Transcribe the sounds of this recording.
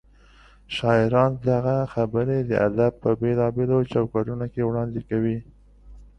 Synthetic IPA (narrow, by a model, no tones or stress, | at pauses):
ʃɑɪɾɑnd̪aɣaxabəɾed̪əʔa̰d̪ab̚pəbelɑbelot͡ʃɑwkɑɖunokewɽɑnd̪ekawi